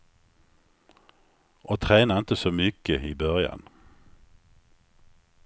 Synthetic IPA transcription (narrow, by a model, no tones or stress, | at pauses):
ʔoːt̪ʰʁeːnaɪnt̪əsoːmʏkəiːbœʁja̰n